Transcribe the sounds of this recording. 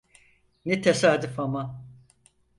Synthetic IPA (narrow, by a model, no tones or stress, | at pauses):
nit̪ʰesaːd̪ifama